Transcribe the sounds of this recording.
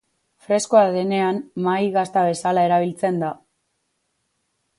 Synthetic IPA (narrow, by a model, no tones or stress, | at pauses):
fɾe̞skoaðe̞ne̞ammajɣast̪aβe̞salae̞ɾaβ̞ilt͡se̞nd̪a